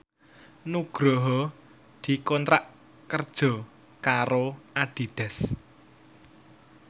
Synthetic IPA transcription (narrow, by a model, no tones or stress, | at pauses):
nuɡ̥ɾɔɦɔ | d̪̥i̤kɔnt̪ɾaʔ | kərd̥ʒ̥ɔ̤ | kaɾoaɖ̪̥i̤ɖ̪̥ɛ̤s